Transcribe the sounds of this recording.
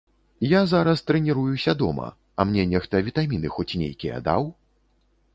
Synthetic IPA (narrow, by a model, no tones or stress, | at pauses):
jazaɾɐst̪ɾɛnʲiɾujusʲad̪ɔmɐ̰ | ɐmnʲɛnʲɛxt̪ɐvʲit̪amʲinɨxɔt͡sʲnʲḛjkʲijɛ̰d̪a̰w